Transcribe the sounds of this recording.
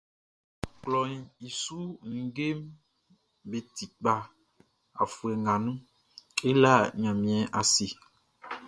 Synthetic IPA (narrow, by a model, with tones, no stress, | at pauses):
k͡plɔ˨ɲĩ˨i˨su˦ŋ̩˨ɡe˦m | be˨t̪i˨k͡pa˨ | a̰˨fu˨ɛ˨ŋɡã˨nũ˦ | e˦la˦ɲã˨mĩ˨ɛ˨ʔa˨si˨